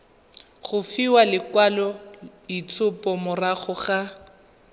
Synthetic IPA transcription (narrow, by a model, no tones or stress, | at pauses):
χʊfiwalɪkwalɔ | it͡sʰʊpɔmʊraχʊχa